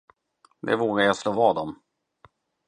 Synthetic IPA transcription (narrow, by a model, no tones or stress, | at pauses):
d̪ɛ̰voːɡajat̪sloːvɑːd̪ɔm